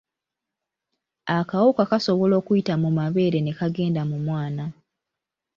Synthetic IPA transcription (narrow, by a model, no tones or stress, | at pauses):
akawokakaso̞βo̞lo̞ːkujitamumaβe̞ːɾe̞ne̞kaɡe̞ːndamumwaːna